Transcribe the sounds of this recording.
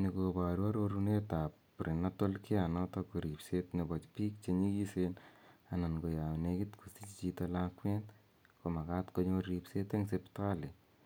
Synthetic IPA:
nikoba˨ɾua˦ɾoɾune˦ta˨p | pɾʔi˨na˦to˦lkʰe˦a˨nɔtɔko˨ɾi˨psetne˨bɔt͡ʃpi˦k̚t͡ʃe˧ɲi˦ki˦sena˨na˨nɡo˨ja˨wneki˦tkʰusi˦t͡ʃit͡ʃitolakwɛ˦nt | ko˨ma˨katko˦ɲo˧ɾipsete˦ŋsepta˦le˨

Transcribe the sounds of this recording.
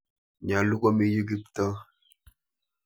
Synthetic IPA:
ɲa˨lu˦ko˦mi˨ji˦ɡi˦p̚tə˦

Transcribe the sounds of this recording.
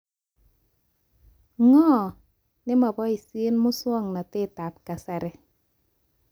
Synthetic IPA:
ŋɔ˦˨ | nɪ˦ma˨bɔ˦i˨si˦nmʊ˦swɔ˦˨ŋna˨tɪ˦˨ta˨p̚ka˨sɛ˨ɾɛ˨

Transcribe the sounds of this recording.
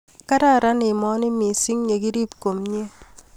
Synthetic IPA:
ka˦ɾa˦ɾa˦nɪ˨mɔ˦nɪ˦mi˨si˦ŋɲe˨ki˦ɾi˦pko˨mɲe˦

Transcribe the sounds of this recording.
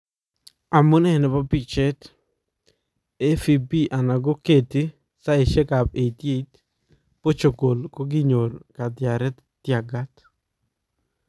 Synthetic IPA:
a˨mu˦nɛ˦nɛ˨ba˦bi˨t͡ʃɛ˦t̪ | e˦fi˨bi˦ʔa˨na˨ɡo˦ke˨t̪i˦ | sa˦e˨ʃɛ˦ka˨be˨t̪je˦it̪ | po˦t͡ʃo˨ɡo˨lko˦ɡɪ˦ɲo˨ɾka˨d̪ɪja˨ɾɛ˦t̪ | tja˨ɡa˦t̪

